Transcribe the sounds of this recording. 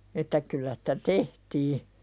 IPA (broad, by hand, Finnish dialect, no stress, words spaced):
etːæ kylːæ sĭ̥tæ tehtiː